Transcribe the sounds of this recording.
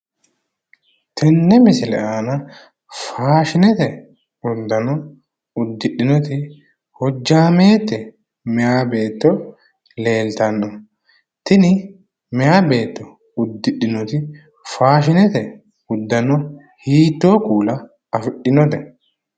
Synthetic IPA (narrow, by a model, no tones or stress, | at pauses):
t̪ʰɛnːɛmɪsɪlɛ̰ʔaːnɐ | faːʃɪnɛt̪ɛ | ʊd̪ːɐnɔ | ʊd̪ːɪɗːɪnɔt̪ɪ | hɔd͡ʒːaːmeːt̪ːɛ | mɛjaːbe̞ːt̪ːɔ | le̞ːlt̪ɐnːɔ | t̪ɪnɪ | mɛjaːbe̞ːt̪ːɔ | ʊd̪ːɪɗɪnɔt̪ɪ | faːʃɪnɛt̪ɛ | ʊd̪ːɐnɔ | hiːt̪ːoːkuːlɐ | ɐfɪɗːɪnɔd̪ɛ